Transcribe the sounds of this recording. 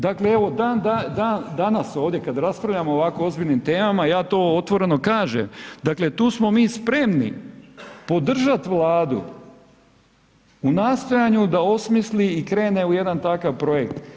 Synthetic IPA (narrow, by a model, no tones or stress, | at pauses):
d̪akle̞e̞ʋo̞d̪and̪ad̪and̪anaso̞ːʋd̪jekad̪ɾaspɾaʋʎamo̞oʋakoo̞zbiʎʲnimt̪e̞ːmamajaːt̪o̞ːot̪ʋo̞ɾe̞no̞kaːʒḛmd̪akle̞t̪uːsmo̞miːspɾe̞mnḭ | po̞d̪r̩ʒat̪ʋlˠaːd̪ṵ | unaːst̪o̞jaɲud̪ao̞smisliikɾe̞ːne̞uje̞d̪ant̪akaʋpɾo̞je̞kt̪